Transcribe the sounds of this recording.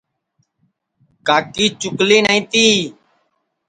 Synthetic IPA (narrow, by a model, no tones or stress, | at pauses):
kaːkiːt͡ʃʊkliːnəĩːt̪iː